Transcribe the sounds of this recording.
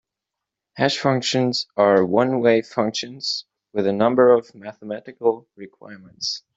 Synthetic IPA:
hæʃfʌ̃ŋkʃɨ̃nz̥ə˞wʌ̃nweɪfʌ̃ŋkʃɨ̃nz̥ | wɨðɨnʌ̃mbə˞ʌvmæθəmæɾɨkl̩ˠɹɨkʰw̥a̰ɪɹmə̃nts

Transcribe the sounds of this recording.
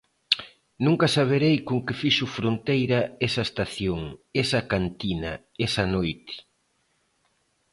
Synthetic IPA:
nũŋkɐsaβ̞eɾejkoŋkɪfiʃʊfɾont̪ejɾɐɛsɐest̪aθjoŋesɐkant̪inɐ̰ | ɛsɐnojt̪ɪ̥

